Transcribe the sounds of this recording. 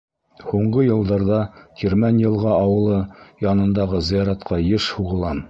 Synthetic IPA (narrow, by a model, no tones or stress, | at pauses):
huɴɢɤjɤ̆lˠd̪ɑɾðɑkʰʲiɾmænʲjɤ̆lˠʁɑɑwɤ̆lˠɤjɑnɤ̆nd̪ɑʁɤzɤ̆jɑɾɑt̪qʰɑjɘʃhuʁɤ̆lˠɑn